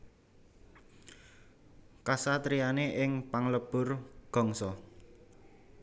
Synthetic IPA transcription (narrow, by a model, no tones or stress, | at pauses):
kasat̪ɾijaneʔɪŋpaŋləb̥ʊ̤rɡ̥ɔ̤ŋsɔ